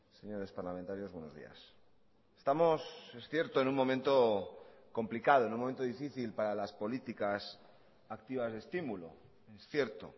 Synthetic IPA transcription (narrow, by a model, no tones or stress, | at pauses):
se̞ɲoɾe̞spaɾlament̪aɾjo̞zβwe̞nozðḭa̰s | est̪amosesθje̞ɾt̪oenuŋmːõ̞mẽnt̪oko̞mplikaðo̞nũmõent̪oðifiθilpaɾalaspo̞lit̪ikas | akt̪iβazðest̪imulo̰ | esθje̞ɾt̪o̰